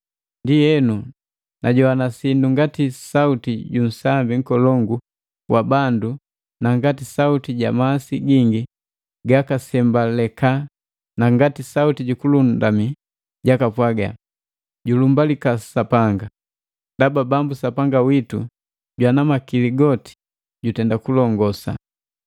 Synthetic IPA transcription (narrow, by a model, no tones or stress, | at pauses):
ndijɛnu | naɟɔwanasinduŋɡatisautiɟun̩sambiŋ̩kɔlɔŋɡu | wʔabandu | naŋɡatisautiɟa̰maːsiɡiŋɡi | ɡakasɛmbalɛka | naŋɡatisautiɟukulundami | ɟakapwaɡa̰ | ɟulumbalikasapaŋɡa | dababambusapaŋɡawitu | ɟwanamakiliɡɔti̥ | ɟutɛndakulɔŋɡɔsa̰